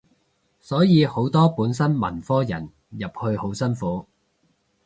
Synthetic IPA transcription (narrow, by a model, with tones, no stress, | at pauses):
sɔː˨˥jiː˨˧ho˨˥wt̪ɔː˥puː˨˥nsɐ˥nmɐ̰˨˩nfɔː˥jɐ̰˨˩n | jɐ˨p̚hɵ˧ɥho˨˥wsɐ˥nfuː˨˥